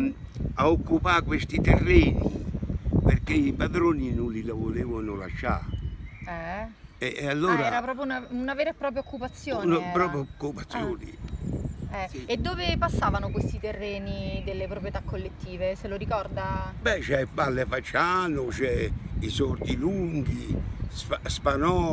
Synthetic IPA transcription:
aokːupakwest̪it̪erːɛːnḭ | perkːeipad̪ɾoːninʊnlilavoleːvanʊla̰ʃːa̰ | ɛɛalːoːɾaɛːɾapɾɔːp̬ɾjounaunavɛːɾepːɾɔːp̬ɾjaokːupat̪sːjoːnnapɾɔpjakːupat̪sːjoːnḭ | ɛed̪ːoːvepasːaːvanokwest̪it̪erːeːnid̪elːepɾopɾjet̪akːolːet̪ːiːveseloɾikɔrd̪abɛt͡ʃɛbalːefat͡ʃːanʊt͡ʃɛisɔrt̪iluŋɡisaspanɔ

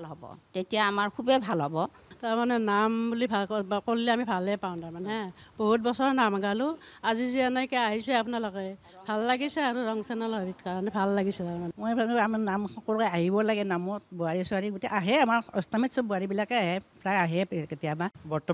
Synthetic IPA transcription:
bʱalɦɔbɔ̰tetijaːmaɹkʰubɛbʱalɦɔbɔ | taɹmanɛnambulibʱakolːiamibʱalɛpaw̃ntaɹmanɛboɦut̚bɔsɔɹɔnamaɡalu | azizianajkɛaɦisɛapunalɔkɛj | bʱalːaɡisɛaɹuɹɔŋsɛnalɔɹitkaɹɔnɛbʱalːaɡisɛtaɹmanɛmɔjpʰanamnamɔkɔlkɛaɦibɔlaɡɛnamɔtbuaɹisuaɹiɡutɛʔaɦɛamaɹɔstamitsɔbuaɹibilakɛaɦɛpʰɹaaɦɛketijamabɔɹtɔ

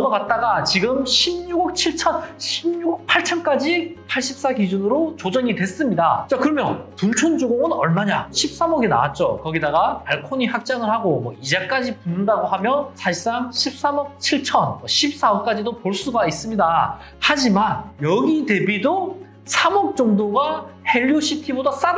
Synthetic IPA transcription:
ʌnʌɡat̚t͈aɡat͡ɕiɡɯmɕʰimɲuɡʌk̚t͡ɕʰiɭt͡ɕʰʌnɕʰimɲuɡk̚pʰaɭt͡ɕʰʌnk͈ad͡ʑipʰaɭɕ͈ip̚s͈aɡid͡ʑunɯɾot͡ɕod͡ʑʌɲidwe̞s͈ɯmɲidat͡ɕ͈akɯɾʌmjʌntunt͡ɕʰond͡ʑoɡoɡɯnʌɭmaɲaɕʰip̚s͈amʌɡina̰wa̰t̚t͡ɕ͈okʌɡidaɡapaɭkʰoɲihak̚t͡ɕ͈aŋɯɭhaɡomwʌid͡ʑek͈ad͡ʑipunːɯndaɡohamjʌnsʰaɕis͈aŋɕʰip̚s͈amʌk̚t͡ɕʰiɭt͡ɕʰʌnmʌɕʰip̚s͈aʌp̚k͈ad͡ʑidopoɭs͈uɡais͈ɯmɲida | had͡ʑimanjʌɡite̞bido | sʰamʌk̚t͡ɕ͈ʌŋdoɡahe̞ʎːoɕʰitʰibodas͈ad

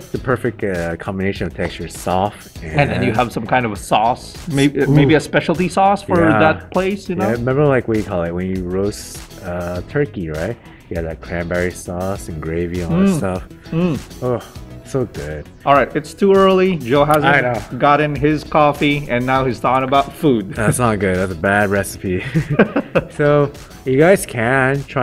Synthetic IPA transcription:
tsðɨpʰɜ˞fɪk̚tʌkʰɑ̃mbɨneɪʃɨ̃nʌv̥tʰɛkst͡ʃə̥˞sɔf | ɨ̃ɨ̃nðɨ̃njɨəv̥sʌ̃mkʰãɪ̃ndʌvsɔs | memeɪbiɨspɛʃl̩ˠtisɔsfə˞ðət̚pʰl̥eɪsjɨnæɹɨmɛ̃mbə˞laɪkwəjɨkʰɔlˠɨt̚wɨ̃njɨɹoʊsʌtʰɜ˞kiɹaɪt̚ | jɨɨvðɨt̚kʰɹ̥æ̃mbɛɹisɔsn̩ɡɹeɪviə̃nstʌf | m̩osoʊɡʊ̰d̥̚ | ɔlˠɹaɪtɨtstʰuɜ˞lˠid͡ʒoʊɦæzə̃noʊɡɑɾɨ̃nɪz̥kʰɔfiɨ̃nːaʊhiz̥θɔkɪ̃ŋəbaʊtfud̥̚ðætsnət̚ɡ̥ʊd̪̚ðætsəbæd̚ɹɛsə̥pʰi | soʊ | jɨɡaɪz̥kʰɨ̃ntʰɹ̥a

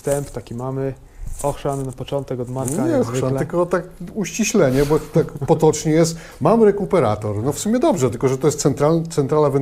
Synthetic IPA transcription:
st̪ɛmpt̪akʲimamɘ | ɔxʂanːapɔt͡ʂɔnt̪ɛkɔd̪maaɛvʃanɨlkɔt̪akuɕt͡ɕiɕlɛɲɛbɔt̪akpɔt̪ɔt͡ʂɲɛjɛst̪ | mamɾɛkupɛɾa̰t̪ɔɾnɔfsumʲɛd̪ɔbʐɛt̪ɘlkɔʐɛt̪ɔjɛst̪sɛnt̪ɾat̪sɛnt̪ɾalavɛn

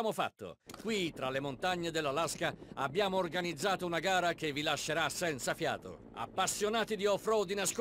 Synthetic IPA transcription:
mofa̰t̪ːo̰kwit̪ɾalemont̪aɲːed̪elːalaskaabːjaːmoːrɡanid̪zːaːt̪ounaɡaːɾakevːilaʃːeɾasɛnt̪safja̰ːt̪o̰ | a̰pːasːjonaːt̪id̪iɔfɾɔd̪inask

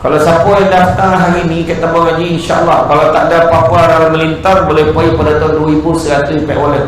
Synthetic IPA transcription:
kalasapajdaft̪aŋɦaɾinĩkaʔt̪abaŋaɲainʃaʔə̰lːɑhkalat̪aʔdapapaɾalaməlint̪arbolɛhpaipədat̪ɔŋduibusəɾat̪uipɛ̰ʔwalət̪

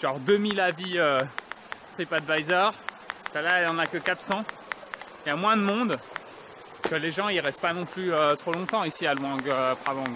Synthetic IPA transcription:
ʒ̥ɑ̃ʁd̪ømilaviø | t̪χipad̪vajzœːʁ | salaɛljɑ̃nakəkat̪χsɑ̃ | jamwɛ̃d̪əmɔ̃d̪ | paskəleʒɑ̃iʁɛst̪̚panɔ̃plyøt̪χolɔ̃t̪ɑ̃isialwɑ̃ɡøpχavɑ̃ɡ

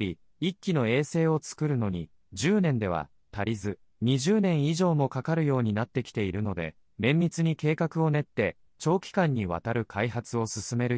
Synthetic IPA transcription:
i | ikʲːino̞e̞ːse̞ːo̞t͡sɨ̥kɯ̟ɾɯ̟no̞ɲ̟i | ʑɨːnẽ̞nd̪e̞βa̰ | t̪aɾʲizɨ | ɲ̟iʑɨːnẽ̞ɰ̃iʑo̞ːmo̞kakaɾɯ̟jo̞ːɲ̟inat̪ːe̞kʲi̥t̪e̞iɾɯ̟no̞d̪e̞̰ | mẽ̞mːʲit͡sɨɲ̟ike̞ːkakɯ̟o̞ne̞t̪ːe̞ | t͡ɕo̞ːkʲi̥kãɲ̟ːiβ̞a̰t̪aɾɯ̟kʰaiɦat͡sɨo̞sɨsɨme̞ɾɯ̟

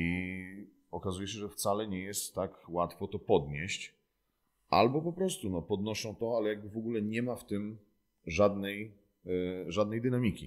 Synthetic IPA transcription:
i | ɔkazujɛɕ̬ɛʐɛft̪salɛɲɛjɛst̪ːakwat̪fɔt̪ɔpɔd̪ɲeɕt͡ɕ | ʔa̰lbɔpɔpɾɔst̪unɔpɔd̪nɔʂɔ̃w̃t̪ɔalɛjaɡ̚bɘvɔɡulɛɲɛmaft̪ɘm | ʐad̪nɛj | ʐad̪nɛjd̪ɘnamʲikʲḭ

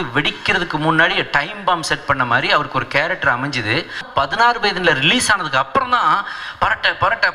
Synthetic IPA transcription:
ɯʋɛɽɪkːɪɾɐðɯkːɯmʊnːaːɽiʈɐɪmbaːmsɛʈ̚pɐɳːɐmaːd̪ɾiɐʋɐɾɯkːɯɔɾɯkeːɾɛk̚ʈːɐɾɐmɛɲd͡ʒɯðɯpɐðɪnaːɾɯpɐjðɐnɪlɐɾɪliːsaːnɐðɯkːɯɐpːɯɾɔ̃nt̪ãːpɐɾɐʈːɐpɐɾɐʈːɐ

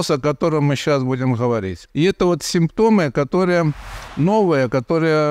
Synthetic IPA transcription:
sɐkɐt̪o̞ɾɨmːɨɕːasbudʲɪmɣəʋɐɾʲḭtʲɪɛt̪əvo̞t̪sʲɪmpt̪o̞mɨkɐt̪o̞ɾɨjəno̞vəjəkɐt̪o̞ɾɨjə

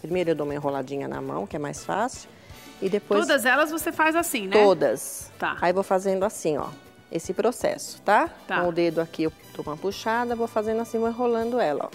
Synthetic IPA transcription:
pɾimejɾʊewd̪õũm̃ĩɦolad͡ʒĩɲɐnɐ̰mɐ̰̃w̃kɪɛmajsfa̰sɪʊ̥ | ɪd̪epojod̪ɐzɛlɐzvosefajzasĩnɛt̪od̪ɐst̪a̰aivowfazẽnd̪ʊasĩɔ̰ | esɪpɾosɛ̰sʊ̥t̪ak̪õʊd̪ed̪ʊakiewd̪̥oũmɐpuʃad̪ɐvowfazẽnd̪ʊasĩvõĩɦolɐ̃nd̪ʊɛlɐ̰

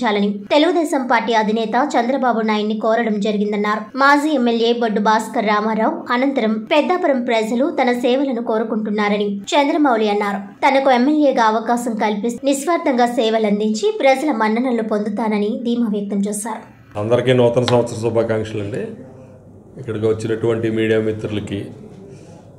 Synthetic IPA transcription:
aːlɐnit̪e̞luɡud̪ɛːsɐmpaːɾʈːiːɐd̪ʱinɛːt̪ɐt͡ʃɐnd̪ɾɐbaːbunaːjɐnːikɔːɾɐɽɐmd͡ʒɐɾiɡind̪ɐnːaːɾumaːd͡ʒiːemːeljeːbɐɖːubaːskɐɾaːmaːɾɐːwɐnɐnt̪ɐɾɐmpɛd̪ːaːpɐɾɐmpɾɐd͡ʒɐlut̪ɐnɐsɛːʋɐlɐnuko̞ːɾukuɳʈunːaːɾɐnit͡ʃɐnd̪ɾɐmɐwliɐnːaːɾu | t̪ɐnɐkuemːeljeːɡaːɐʋɐkaːsɐmkɐlpisniʃʋaːɾd̪ʱɐŋɡaːsɛːʋɐlɐnd̪iɲt͡ʃipɾɐd͡ʒɐlɐmɐɳɖɐɳɐlupond̪ut̪aːnɐnid̪ʱiːmaːʋjɐk̚t̪ɐmt͡ʃɛːsaːɾu | ɐnd̪ɐɾikiːnɔːt̪ɐnɐsɐmɐt̪sɐɾɐsubʱaːkaːŋkʂɐlɐɳɖeː | kːɐɽɐkiʋɐt͡ʃːinɐʈuʋɐɳʈimiːɽijaːmit̪ɾulɐki

